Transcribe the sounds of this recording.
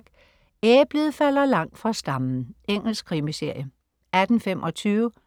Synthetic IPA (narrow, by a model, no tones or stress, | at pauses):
ɡ̥ | eːb̥leðˠfæl̰ɐlɑ̈ŋ̰d̥fʁɑ̈sd̥ɑ̈mn̩eŋ̰l̩skʰʁimise̝ɐ̰jə | æd̥n̩femʔɒ̽t͡sʰyːʊə